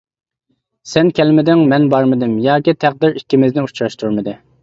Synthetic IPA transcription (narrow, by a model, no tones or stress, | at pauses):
sɛnkʲɛlmɪd̪ɪŋmɛnbɑɾmɨd̪ɪmjɑːkʲit̪ʰæχ̚d̪ɪɾikʲːimɪznɪut͡ʃɾɑʃt̪ʰuɾmɨd̪ɨ